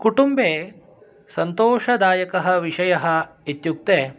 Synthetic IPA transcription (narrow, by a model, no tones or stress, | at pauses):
kuʈumbeː | sɐnt̪oːʃɐd̪aːjɐkɐɦɐʋiʂɐjɐɦɐit̪juk̚t̪eː